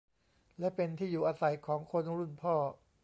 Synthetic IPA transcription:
lɛ˦˥ʔpe˧nt̪ʰiː˥˩juː˨˩ʔaː˧sa˨˩jkʰɔː˩˦ŋkʰo˧nɾu˥˩npʰɔː˥˩

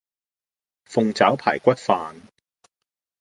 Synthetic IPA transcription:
fʊ˨ŋt͡saː˨˥wpʰa̰ː˨˩jkʷɐ˥t̚faː˨n

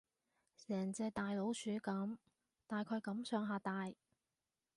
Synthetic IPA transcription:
sɛː˨˩ŋt͡sɛː˧t̪aː˨jlo˨˥wsyː˨˥kɐ˨˥m | t̪aː˨jkʰɵː˨˧jkɐ˨˥msœː˨˥ŋɦaː˧t̪aː˨j

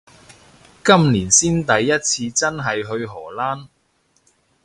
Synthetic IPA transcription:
kɐ˥mliː˨˩nsiː˥nt̪ɐ˨jːɐ˥t̚t͡sʰiː˧t͡sɐ˥nɦɐ˨jɦɵ˧ɥɦɔː˨˩laː˥n

